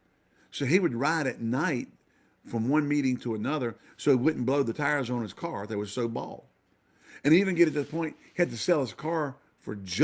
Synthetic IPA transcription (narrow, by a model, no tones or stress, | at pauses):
soʊiwɨd̚ɹaɪɾɨtⁿnaɪt̚ | fɹʌ̃mwʌ̃nmiɾɪ̃ŋtʰəːnʌðə˞ | soʊiwʊdⁿn̩b̥loʊðɨtʰaɪə˞zn̩ɨz̥kʰɑɹðət̚wʌz̥soʊbɔ̰lˠ | ɨ̃nivɨ̃nɡɛɾɨt̪̚ðɨpʰɔ̃ɪ̃nt̚hiɨd̚tɨsɛlˠəz̥kʰɑɹ | fə̰˞d͡ʒ